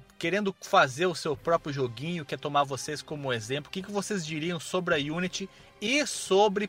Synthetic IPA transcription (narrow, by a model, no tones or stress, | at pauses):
keɾẽnd̪ʊfazeɾʊsewpɾɔpɾjʊʒoɡĩɲʊkɛt̪omaɾvoseskõmʊezẽplʊkʲɪkɪvosezd͡ʒiɾiɐ̃w̃sobɾɪɐjunit͡ʃɪ | ɪsobɾɪ